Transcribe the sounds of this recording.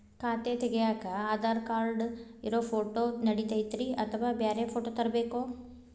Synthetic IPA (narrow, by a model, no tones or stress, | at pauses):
kʰaːt̪et̪ɛɡejaːkɐaːd̪aːɾkaːɾɖiɾoːpʰoːʈoːnɐɽit̪ɐjt̪ɾiɐt̪ʰɐʋaːbeːɾepʰoːʈot̪ɐɾɐbeːkoː